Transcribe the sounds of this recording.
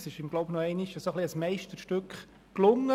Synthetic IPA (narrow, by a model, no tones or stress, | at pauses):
sɪʃɪmɡloʊbnɔɛɪnɪʃəsoχliəsmɛɪʃtəɾʃtʏkχ | klʊŋːə